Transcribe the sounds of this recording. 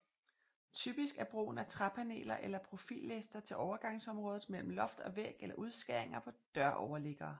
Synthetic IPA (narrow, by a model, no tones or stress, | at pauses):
t͡sʰyb̥isɡ̥æɐb̥ʁo̰ːn̩æt͡sʰʁɑ̈pʰæne̝̰ːlɐʔelɐpʰʁo̝fḭːlːesd̥ɐt͡sʰe̝lʔɒʊɐɡ̥ɑ̈ŋsɒ̽mʁɔ̽ːðˠð̩ˠmel̰m̩lɒ̽fd̥ɒ̽ʋeɡ̥elɐʔuð̞ˠsɡ̥æɐ̰e̝ŋɐpʰɒ̽d̥ɶɐ̰ʔɒʊɐle̝ɡ̥ɐː